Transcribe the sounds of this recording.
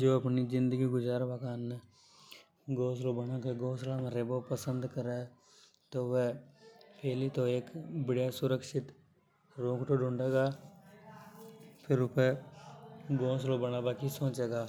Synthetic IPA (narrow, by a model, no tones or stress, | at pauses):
d͡ʒoːəpnizɪ̃nd̪əɡiɡʊd͡ʒaːɾbakaːnːe | ɡoːslobənaːkeɡoːslaːmɾebopəsənd̪kəɾeː | t̪oːʋɛːpʰɛːlit̪oːeːkbɪɽjaːsʊɾəkʃɪt̪ | ɾoːkʈ̪oːɖʊ̃ɳɖeːɡaː | pʰɪɾʊpe | ɡoːslobənaːbaːkisõːt͡ʃeːɡaː